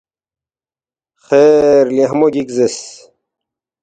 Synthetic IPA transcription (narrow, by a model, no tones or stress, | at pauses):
xeɾliɦmoɡikzes